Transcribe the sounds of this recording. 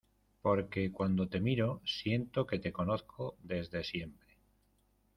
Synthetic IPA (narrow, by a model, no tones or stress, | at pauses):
po̞ɾke̞kwand̪o̞t̪e̞miɾo̞sje̞nt̪oke̞t̪e̞ko̞noθkʰod̪e̞zðesje̞mpɾe